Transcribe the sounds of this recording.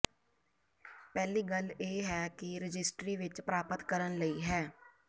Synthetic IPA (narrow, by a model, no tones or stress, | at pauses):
pɛːliːɡəleːɦɛːkɪɾəd͡ʒɪsʈɾiːʋɪt͡ʃpɾaːpət̪kəɾənləiːɦɛː